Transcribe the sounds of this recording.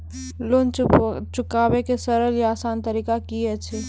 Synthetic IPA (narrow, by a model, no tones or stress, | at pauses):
loːnt͡ʃʊkaːʋekesɐɾəljeaːsaːnt̪əɾiːkakiɛʃʰe